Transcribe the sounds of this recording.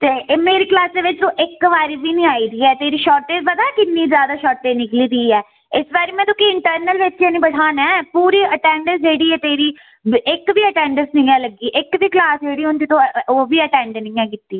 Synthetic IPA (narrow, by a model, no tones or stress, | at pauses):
t̪eːmeːɾiːklaːsd̪eːʋɪt͡ʃt̪õːʔɪkʋaːɾiːbiːnĩːaːiːd̪iːɛːt̪eːɾiːʃɔːɾʈeːbəd̪aːkɪnːiːzjaːd̪aːʃɔːʈeːnɪkliːd̪iːɛː | ɪsʋaːɾiːmɛ̃ːt̪ʊkiːɪɳʈəɾnəlʋɪt͡ʃeːnĩːbəɽʰaːnɛ̃ːpuːɾiːəʈɛ̃ːɳɖəsd͡ʒeːɽiːɛːt̪eːɾiː | ɪkʋiːəʈɛ̃ːɳɖəɾsnɪ̃ɛ̃ːləɡiːʔɪkʋiːklaːsd͡ʒeːɽiːʊnt̪ɪt̪õːoːʋiːəʈɛ̃ːɳɖenɪ̃ːɛ̃ːkɪt̪ːiː